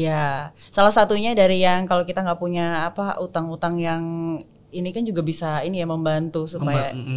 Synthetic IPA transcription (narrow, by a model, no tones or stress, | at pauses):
jasalahsat̪uɲadaɾijaŋkalokit̪aŋɡaʔpuɲaːpaʔut̪aŋut̪aŋjaŋ | inikand͡ʒuɡabisainijaməmbant̪usupaja